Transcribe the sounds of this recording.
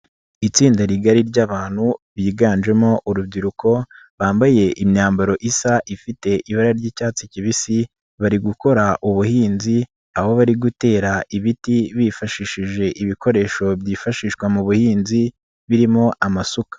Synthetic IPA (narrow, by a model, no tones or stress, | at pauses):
it͡siːndaɾiɡaɾiɾɟaβaːn̥huβiːɡaːnd͡ʒe̞mo̞ʔuɾubɡiɾukʰo̞ | βaːmbaje̞ʔimɲaːmbaɾo̞ʔisaʔifite̞ʔiβaɾaɾɟiːcaːt͡siciβisi | βaɾiɡuko̞ɾaʔuβuhiːnzi | aβo̞βaɾiɡute̞ːɾaʔiβitiβifaʃiʃiʒe̞ʔiβiko̞ɾe̞ːʃo̞bjiːfaʃiːʃwamuβuhiːnzi | βiɾimŋo̞ʔamasukḁ